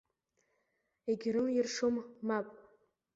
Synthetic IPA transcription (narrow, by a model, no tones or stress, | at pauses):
eɡʲɪɾɨljɪrʂomːapʼ